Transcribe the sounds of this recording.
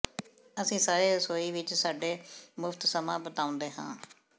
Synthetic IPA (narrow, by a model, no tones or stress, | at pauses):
əsĩːsaːɾeːsoːiːʋɪt͡ʃsaːɖeːmʊfʰt̪səmãːbət̪aːʊ̃nd̪eːɦã̰ː